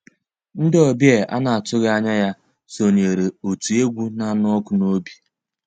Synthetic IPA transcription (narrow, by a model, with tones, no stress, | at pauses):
n̩˦dɔ˨bje˦˨ʔa̰˦na˨a˨tʊ˦ɣe˦a˦ɲa˦ja˦ | so˨ɲe˨ɾe˨o˨tu˨e˦ɡʷu˦na˦˨nɔ˦kʊ˨no˦bi̥˨